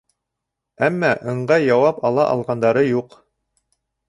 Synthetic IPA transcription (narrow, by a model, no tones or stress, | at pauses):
æmːæʔɤ̆ɴɢɑjɑwɑpɑlˠɑʔɑ̰lˠʁɑnd̪ɑɾɤjuq